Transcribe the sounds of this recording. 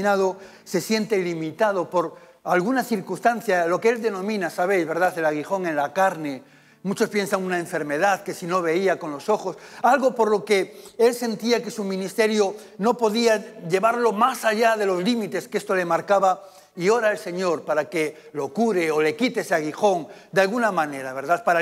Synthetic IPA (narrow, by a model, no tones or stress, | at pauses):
nað̞o̞ | se̞sje̞nt̪e̞limit̪að̞o̞po̞ɾ | alɣ̞unaθiɾkust̪anθjalo̞kee̞ld̪e̞nõ̞mĩnasaβ̞e̞jzβeɾðaθe̞laɣ̞ixo̞ŋe̞nlakaɾne̞ | mut͡ʃo̞spje̞nsaŋunaeɱfe̞ɾme̞ðaðke̞sino̞βe̞iako̞nlo̞so̞xo̞salɣo̞po̞ɾlo̞ke̞e̞lse̞nt̪iake̞sumĩnist̪e̞ɾjo | no̞po̞ðiaʝe̞βaɾlo̞masaʎaðe̞lo̞zlimit̪e̞skeest̪o̞le̞maɾkaβa | io̞ɾaelse̞ɲo̞ɾpaɾake̞ | lo̞kuɾe̞ole̞kit̪eeseaɣ̞ixo̞ŋd̪alɣunamãne̞ɾaβe̞ɾðaθpaɾa